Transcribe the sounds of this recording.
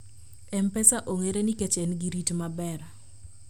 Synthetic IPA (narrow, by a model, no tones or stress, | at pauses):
ɛmpɛsaʔoŋeɾeniket͡ʃenɡiɾitmabɛɾ